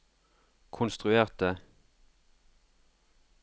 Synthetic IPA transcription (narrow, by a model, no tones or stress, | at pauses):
kʰʊnst̪ʁʉeːʁt̪ə